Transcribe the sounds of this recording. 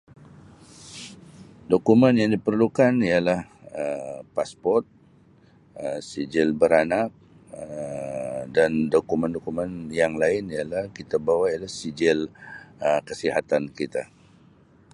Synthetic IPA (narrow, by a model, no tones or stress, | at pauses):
dokumənjaŋdipərlukanialah | əpaspɔrt̪̚ | əsid͡ʒɪlbəɾanak̚ | ə | dandokuməndokumə̃njaŋlaɪnialahkit̪abawaijalahsid͡ʒɪləkəsiɦat̪ankit̪a̰